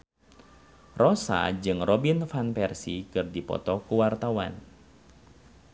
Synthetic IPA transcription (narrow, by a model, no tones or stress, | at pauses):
rɔsa̰d͡ʒɨŋrɔbinfanpɛrsikɨrdipɔ̰t̪ɔkuwart̪awa̰n